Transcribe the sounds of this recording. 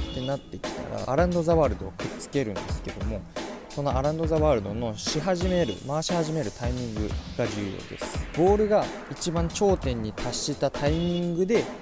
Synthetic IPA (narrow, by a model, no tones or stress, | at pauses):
t̪e̞nat̪ːe̞kʲi̥t̪a̰ɾa̰aɾãnd̪o̞zaβaːɾɯ̟d̪o̞ːkɯ̟t͡sɨ̥ke̞ɾɯ̟̃nd̪e̞sɨ̥ke̞d̪̥o̞mo̞so̞no̞aɾãnd̪o̞zaβaːɾɯ̟d̪o̞no̞ɕiɦaʑime̞ɾɯ̟̰maːɕihaʑime̞ɾɯ̟t̪aimʲĩŋɡɯ̟̰ɡ̥ad͡ʑɨːjo̞̰ːd̪e̞̰sɨ̥bo̞ːɾɯ̟ɡait͡ɕibãɲt͡ɕo̞ːt̪ẽ̞ɲ̟ːit̪ʰaɕːit̪at̪ʰaimʲĩŋɡɯ̟d̪e̞